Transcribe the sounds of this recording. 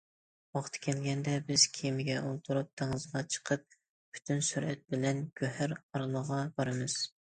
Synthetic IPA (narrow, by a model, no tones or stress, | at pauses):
wɑχt̪ʰɨ̥kʲʰɛlɡʲɛnd̪ɛbɪz̥kʲʰimɪɡʲɛʔolˠt̪ʰuɾup̚t̪ʰeŋɨzʁɑt͡ʃʰə̥qʰəp̚ | pʰy̥t̪ʰynsyɾʔɛt̪̚bɪlɛnɡʲøhæɾɑɾɨlˠəʁɑbɑɾɨmɨz̥